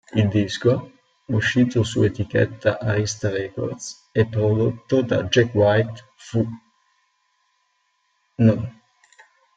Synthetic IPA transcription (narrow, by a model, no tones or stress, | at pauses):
ild̪isko | uʃːiːt̪osuet̪ikɛ̰t̪ːaʔarist̪aɾɛko̰rd̪s | ɛpːɾod̪ot̪ːod̪a̰d͡ʒɛkwajt̪ | fu | non